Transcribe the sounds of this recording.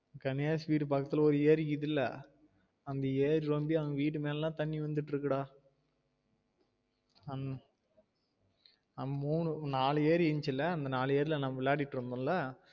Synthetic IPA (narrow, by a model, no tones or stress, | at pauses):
kɐnjaːsʋiːʈ̬ːɯpaːkːɐt̪ːɪlɐɔɾɯeːɾkiðɪlːɐ̰ | ɐnd̪ɐeːɾɾɔmbiɐʋɐŋɡɐʋiːʈ̬ːɯmeːlɛlãːt̪ɐɳːiʋɐnd̪ɯʈːɾɯkːɐɽaː | ɐn | ɐmuːɳɯnaːlɯeːɾɛɲt͡ʃːɪlːɐɐnd̪ɐnaːlɯeːɾɪlɐnɐmːɐʋɪlːaːʈɪʈːɾɯnd̪ʊ̃ːlɐ